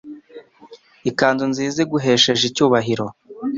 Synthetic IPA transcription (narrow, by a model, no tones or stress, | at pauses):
ikaːndunziːzeɡuɦe̞ːʃe̞ʒicuːβaɦiɾo̞